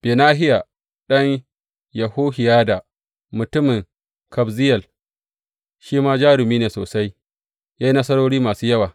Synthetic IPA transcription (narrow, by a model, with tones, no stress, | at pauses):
b̥eː˨naː˦ɦɪ˦ja˨ | ɗɐ˦ɲ | jɐ˨huː˦hɪ˨jaː˦da˨ | mʊ˨tʊ˦mɪ˨ŋ | kɐ˨bzɪ˦jɐ˨l | ʃiː˦maː˦d͡ʒaː˦ɾɪ˨miː˦neː˨soː˨sa˦j | jaː˦ji˦nɐ˦sɐ˦ɽoː˦ɽiː˦maː˨suː˦jɐ˦waː˨